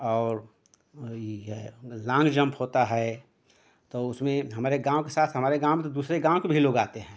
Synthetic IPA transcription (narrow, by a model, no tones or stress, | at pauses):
ɔːɾ | lãːŋɡd͡ʒə̃mpɦoːt̪aɦɛ | t̪oʊsmẽɦɐmaːɾeɡãːõkesaːt̪ʰɦɐmaːɾeɡãːw̃mt̪od̪uːsɾeɡãːõkebʱiloːɡaːt̪eɦɛ̃ː